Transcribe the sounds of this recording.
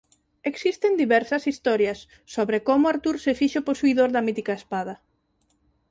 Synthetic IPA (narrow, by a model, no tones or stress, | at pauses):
eksist̪end̪iβɛɾsɐsist̪ɔɾjɐsː | oβɾekomʊaɾt̪uɾsefiʃoposuiðoɾðɐmit̪ikaespað̞ɐ